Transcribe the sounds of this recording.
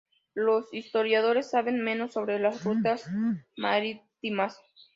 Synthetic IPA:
lo̞sist̪o̞ɾjað̞o̞ɾe̞sːaβe̞nmẽ̞no̞sːo̞βɾe̞lasrut̪asma̰ɾit̪imas

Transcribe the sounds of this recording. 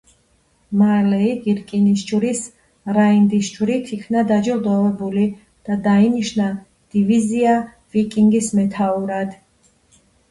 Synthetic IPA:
malɛiɡiɾkʼinisd͡ʒuɾis | ɾaind̪isd͡ʒwɾit̪ʰikʰnad̪ad͡ʒɔlˠd̪ɔvɛbuli | d̪̥ad̪ainiʃna | d̪̥ivizia | vikʼiŋɡismɛt̪ʰauɾad̪

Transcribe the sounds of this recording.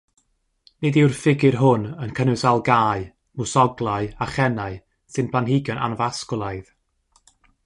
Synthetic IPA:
nediwrfɪɡɪrɦʊnənkʰənʊsalˠɡaːɨ | mʊsɔɡlˠaɨaχɛnaɨ | sɨnpʰlˠanhɪɡjɔnʔa̰nvaskɔlˠajð

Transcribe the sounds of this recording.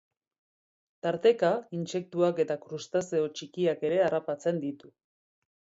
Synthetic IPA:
t̪aɾt̪e̞kainse̞k̚t̪uake̞t̪akɾust̪aseo̞t͡ʃikiake̞ɾe̞arapat͡se̞nd̪it̪u

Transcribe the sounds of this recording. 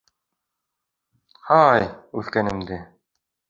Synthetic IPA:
hɑjʉθkænɘ̆md̪ɘ

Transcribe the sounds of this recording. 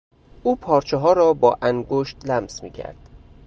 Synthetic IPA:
ʔuːpʰɒːɾt͡ʃʰeɦɒːɾɒːbɒ̰ːʔæŋɡoʃt̪læmsmḭːcʰæ̰ɾd̪̥

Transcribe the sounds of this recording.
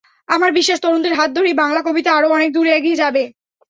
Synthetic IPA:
amaɾbiʃːaʃt̪ɔd̪ont̪eɾɦat̪̚d̪ʱoɾibaŋlakobit̪aaɾoɔnek̚d̪uɾeeɡied͡ʑabe

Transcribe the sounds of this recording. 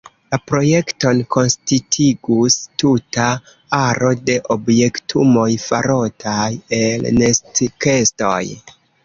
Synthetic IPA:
lapɾo̞je̞kto̞nko̞nstitʰiɡustuta | aɾʔo̞de̞ʔo̞bje̞ktʰumo̞jfa̰ɾo̞tʰaje̞lnestike̞sto̞̰j

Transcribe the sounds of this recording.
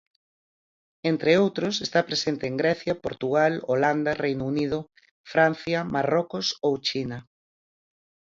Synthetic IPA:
ent̪ɾeowt̪ɾʊsest̪apɾesent̪eːŋɡɾɛθjɐpoɾt̪uɣaloland̪ɐrejnunið̞ʊ | fɾan̟θjɐmarokʊsowt͡ʃinɐ

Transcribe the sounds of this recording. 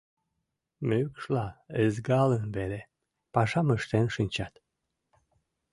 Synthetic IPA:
mykʃlɑəzɡɑlənβele | pɑʃɑməʃt̪enʃɨnʲt͡ɕɑt̪

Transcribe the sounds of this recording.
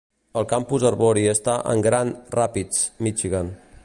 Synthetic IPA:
əlˠkampuzərβoɾiəst̪aʔə̰ŋɡɾanrapit͡smit͡ʃiɣan

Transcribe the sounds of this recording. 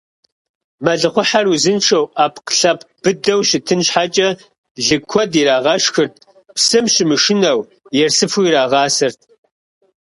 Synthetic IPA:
mɐɮɨχʷʊħaruzɨnʈ͡ʂʰɐwaːpʰqɬɐpʰb̥ɨdɐwʃɪtʰɨnɕħat͡ʃʼɐ | ɮɨkʷʰɔdiːɾaːʁɐʂxɨrt̚ʰ | psɨmɕɪmɨʂɪnɐw | jɛrsɨfuiɾaːʁɑːsɨrtʰ

